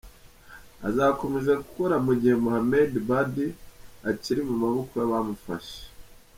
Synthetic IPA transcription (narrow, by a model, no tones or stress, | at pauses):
a̰zako̞me̞ʒaku̥ko̞ɾamuɟihe̞muhamedbadiaciɾimumaβokojaβamufa̰ʃe̥e̥